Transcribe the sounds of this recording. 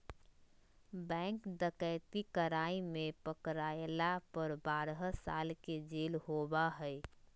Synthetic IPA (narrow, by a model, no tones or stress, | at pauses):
bɛ̃ŋkd̪əkəɪt̪ikəɾaimẽpəkɾaelapəɾbaːɾɦəsa̰lked͡ʒelhobaɦəɪ